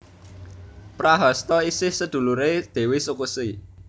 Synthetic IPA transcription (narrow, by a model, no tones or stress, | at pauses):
pɾaɦɔst̪ɔisɪhsəd̪̥ṳluɾed̪̥e̤wesukusi